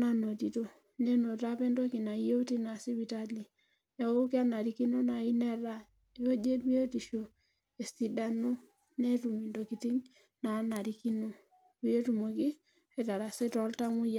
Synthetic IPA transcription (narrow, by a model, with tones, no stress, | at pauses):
na˦no˨ti˨to˦ | ne˦no˨ta˦pɛ˦ndo˦ki˨na˨˦je˦u˦ti˦na˨si˦wi˨ta˦li˨ | ja˨wo˦ki˦a˦na˨ɾi˨ki˦no˦na˨i˦nɛ˦ɾa˦ | e˨o˦d͡ʒe˦bi˦e˦ti˨ʃo˨ | e˨si˨da˨no˦ | ne˦tu˨mi˨ndo˨ki˨ti˦ŋ | na˨na˨ɾi˨˦ki˦no˦ | wi˦e˦tu˨mo˨ki˦ | e˨ta˨ɾa˨se˦tɔ˨˦lta˦mu˦ja˨